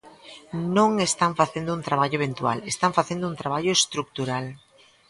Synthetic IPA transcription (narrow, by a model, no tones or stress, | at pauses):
nõŋest̪aɱfaθẽnd̪ount̪ɾaβ̞aʎoeβent̪ua̰lest̪aɱfaθend̪ount̪ɾaβaʎoest̪ɾuk̚t̪uɾal